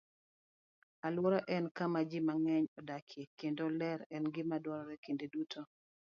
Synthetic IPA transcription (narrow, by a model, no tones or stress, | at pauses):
alwɔɾɔʔɛnkamad͡ʒɪmaŋɛɲɔdakʰekendolɛɾɛnɡɪmadwɔɾɔɾɛkendedutʰo